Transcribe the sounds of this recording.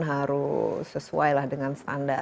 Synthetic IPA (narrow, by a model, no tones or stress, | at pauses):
nɦaɾusəsuajlahdəŋansə̥t̪anda